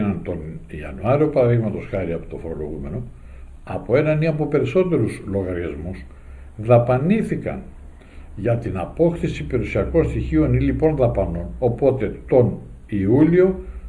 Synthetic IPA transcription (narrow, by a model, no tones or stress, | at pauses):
nɐnt̪o̞niɐ̰nuɐɾio̞pɐɾɐðiɣmɐt̪o̞sxɐɾiɐpo̥t̪o̞fo̞ɾo̞lo̞̰ɣume̞no̞ | ɐpo̞e̞nɐniɐpo̞pe̞ɾiso̞t̪e̞ɾuslo̞ɣɐɾiɐzmus | ðɐpɐniθikɐ̰n | ʝɐt̪inɐpo̞kθisipiɾusiɐko̞nst̪içio̞nilipo̞nðɐpɐno̞nopo̞t̪e̞t̪o̞n | iulio̞